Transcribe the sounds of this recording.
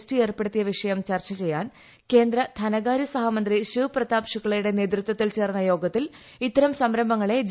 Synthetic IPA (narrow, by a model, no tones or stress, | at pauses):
stie̞ːrpe̞ɽut̪ːijɐʋiʂɐjɐmt͡ɕɐrt͡ɕɐt͡ɕe̞jːaːn | ke̞ːnd̪ɾɐt̪ʰɐnɐɣaːɾjɐsɐɦamɐnd̪riɕuprɐt̪aːpʂuɣːɐɭɐjuɽe̞ne̞ːt̪rut̪wɐt̪ːilt͡ɕe̞ːrnːɐjo̞ːɡɐt̪ːil | it̪ːɐɾɐmsɐmɾɐmbʱɐŋːɐɭe̞d͡ʑ